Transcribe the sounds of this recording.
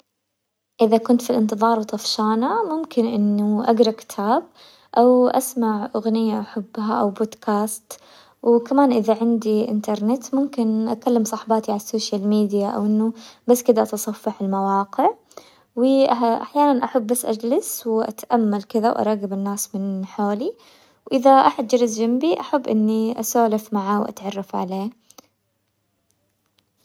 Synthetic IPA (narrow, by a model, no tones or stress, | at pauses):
ʔɪðakʊnt̪filʔɪnt̪ɨðˤɑːɾˤwt̪ˤɑfʃaːnamʊmkɪnʔɪnːuʔaɡɾˤɑkɪ̥t̪ʰaːb̚ | ʔawʔasmaʕʔʊɣnɪjːaʔaħabːɦaʔawboːd̪kʰaːst̪ | wkamaːnʔɪðaʕɪnd̪iʔɪ̰nt̪ɑɾˤnɪt̪mʊmkɪnʔa̰kalːamsˤɑħbaːt̪iʕalasːoːʃjalmiːd̪jaʔa̰wʔɪnːubasːkɪd̪aʔat̪sˤɑfːɑħɪlmawɑːqɪʕ | wɪʔa̰ħjaːnanʔaħabːasːʔad͡ʒlɪswʔa̰t̪ʔamːalkɪðawʔɑ̰ɾˤɑɣɪbɪnːaːsmɪnħoːli | wʔɪðaʔaħad̪̚d͡ʒɑɾɪzd͡ʒambiʔaħabːʔɪnːiʔasoːlɪfmaʕaːwʔa̰t̪ʕɑrˤːɑfʕa̰leː